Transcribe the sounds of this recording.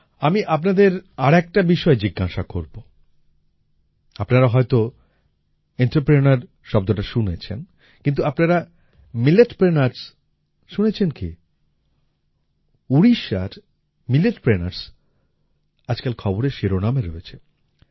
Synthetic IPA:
amiʔapnad̪eɾaɾɛk̚ʈabiʃɔed͡ʑiɡːaʃakoɾbo | apnaɾaɦɔet̪o | eɳʈaɾpɾenaɾ | ʃɔb̚d̪oʈaʃunet͡ɕʰḛn | kint̪̬uapnaɾa | mileʈpɾenaɾs | ʃunet͡ɕʰenkḭ | uɾiʃa̰ɾ | mileʈpɾena̰ɾs | ad͡ʑkelkʰɔboɾeʃeɾonameɾoet͡ɕʰe

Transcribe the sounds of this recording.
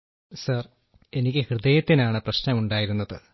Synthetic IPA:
sɐr | e̞nikʲːɨhrɨðejɐt̪ːinaːɳɨprɐɕnɐmuɳɖaːjiɾunːɐðɨ

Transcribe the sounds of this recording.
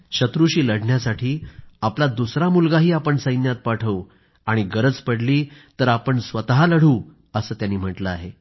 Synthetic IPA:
ɕət̪ɾuɕiːləɽɳjasaʈʰiːaplad̪usɾamulɡaɦiːapəɳsəjnjat̪̚paʈʰəʋ | aɽ̃iɡəɾəd͡zpəɽliːt̪əɾapəɳsʋət̪ɦaləɽ̤uː | əsəːt̪janːiːm̤əʈləaɦe

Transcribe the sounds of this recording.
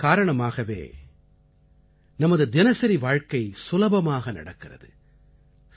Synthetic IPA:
kaːɾɐɳɐmaːɣɐʋḛː | nɐmɐðɯd̪ɪnɐsɐɾiʋaːɻkɐɪsʊlɐbɐmaːɣɐnɐ̰ɽɐkːɪrɐ̰ðɯ

